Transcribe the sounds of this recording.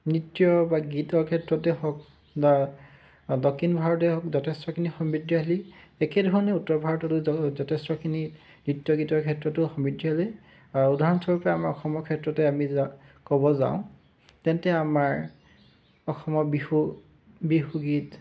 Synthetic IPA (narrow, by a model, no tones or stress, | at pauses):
nɹitːijɔbaɡitɔɹkʰɛtɹɔtɛhɔk̚ | ba | dɔkʰːinbʱaɹɔtɛɦɔkzɔtʰestɔkʰinixɔmbidjɔɦliɛkɛdʱɔɹɔnɛutːɔɹbʱaɹɔtɔtʊzɔtʰestɔkʰini | nɹitːjɔɡitɔɹkʰɛtɹɔtʊxɔmidjɔɦli | audʱaɹɔnsɔɹɔpɔaamaɹɔxɔmɔkʰɛtɹɔtɛamikɔbɔza̰wʊ̃ | tɛntɛamaɹ | ɔxɔmɔbixu | bixuɡit